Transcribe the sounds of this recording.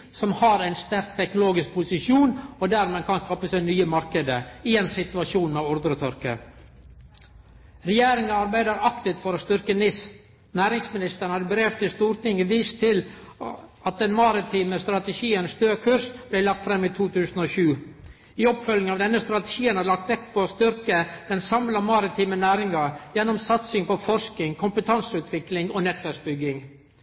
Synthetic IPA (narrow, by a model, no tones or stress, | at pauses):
sɔmhɑɾæɪnst̪æɾk̚t̪ʰɛknʊloːɡɪsk̚pʰʊsɪʃjuːnɔd̪æːɾmeːkʰɑnskɑpəsæɪnyːəmɑɾkəd̪əɪeːnsɪt̪ʉɑʃuːnmeʊɾd̪ɾət̪ʰœɾkə̰ | ɾɛjeːɾɪŋəɑɾbæɪd̪əɾɑkt̪ɪt̪fɔɾɔst̪ʏɾkənɪs | næːɾɪŋsmɪnɪst̪əɾɳ̩hɑɾbɾeːʋt̪ʰɪst̪uːɾt̪ɪŋəʋiːst̪ʰɪl | ɑt̪̚d̪ɛnmɑɾɪt̪ʰiːməst̪ɾɑt̪əʃiːənsd̪øːkʰʉɾsb̥læɪlɑk̚t̪fɾɛmːiːt̪ʰuːt̪ʰʉːsənoːʃʉː | ɪɔpfœlɪŋɑʋd̪ɛnːəst̪ɾɑt̪əʃiːənæːɾɭɑk̚t̪ʋɛkpʰɔoːst̪ʏɾkəd̪̥ɛnsɑmlɑmɑɾɪt̪ʰiːmənæːɾɪŋɑjɛnːɔmsɑt̪sɪŋpɔfɔɾʂk̪ɪŋkʰʊmpət̪ʰɑnsʉːt̪ʰʋɪklɪŋɔnɛt̪ʋæɾks̚bʏɡːɪŋ